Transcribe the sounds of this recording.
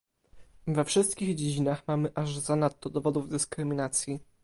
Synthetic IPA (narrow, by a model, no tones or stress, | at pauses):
vɛfʂɘst̪̚kʲiɣd͡ʑed͡ʑinaxmamɘʔaʐzanat̪ːɔd̪ɔvɔd̪uvd̪ɘskɾɘmʲinat̪sʲji